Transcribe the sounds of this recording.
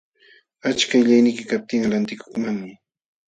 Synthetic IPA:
at͡ʃkajʎajnɪjkɪkap̚t̪ɪŋlant̪ɪkʊ̥χmaŋmɪ

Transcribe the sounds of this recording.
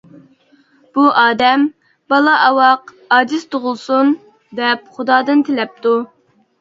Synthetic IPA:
b̥uʔɑːd̪ɛm | bɑlˠɑʔɑwɑq | ɑd͡ʒist̪ʰoʁʊlˠsun | d̪ɛpχʊd̪ɑːd̪ɨnt̪ʰelɛp̚t̪u

